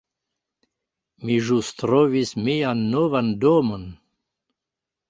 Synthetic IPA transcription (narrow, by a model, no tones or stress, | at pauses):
miʒust̪ɾɔvismianːovand̪omən